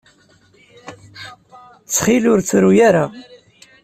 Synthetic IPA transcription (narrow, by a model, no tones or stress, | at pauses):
t͡sːχilʊɾt͡sːɾujaɾa